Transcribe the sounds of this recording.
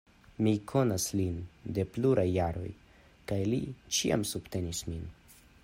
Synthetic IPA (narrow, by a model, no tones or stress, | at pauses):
mikʰo̞naslinde̞pluɾajːaɾo̞̰j | kajlit͡ʃia̰msub̥te̞nismin